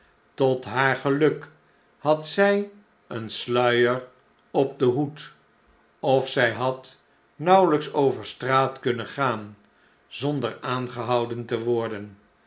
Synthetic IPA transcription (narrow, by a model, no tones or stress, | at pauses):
tɔtɦaːɹχəlɵk | hɑtsɛj | ənslœɥəɹ | ɔp̚dəɦut | ɔfsɛjɦɑt | nʌwləksowvəɹstraːtkɵnənχaːn | zɔndəɹaːnχəɦɑwdəntəʋɔɹdən